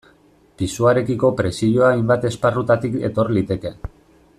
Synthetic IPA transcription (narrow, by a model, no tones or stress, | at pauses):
pisuaɾe̞kiko̞pɾe̞siʎo̞ajmbat̪e̞sparut̪at̪ike̞̰t̪o̞ɾlit̪e̞ke̞